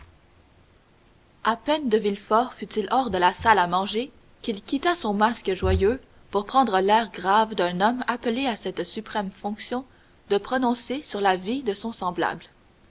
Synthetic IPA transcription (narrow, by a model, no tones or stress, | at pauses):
apɛnd̪əvilfɔʁfyt̪ilʔɔːʁd̪əlasalamɑ̃ʒe | kʲilkʲit̪asɔ̃maskəʒwajø | puʁpχɑ̃d̪ʁəlɛːʁɡʁavd̪ɛ̃nɔmapleasɛt̪sypχɛmfɔ̃ksjɔ̃ | d̪əpχɔnɔ̃sesyʁlavid̪əsɔ̃sɑ̃bla̰bl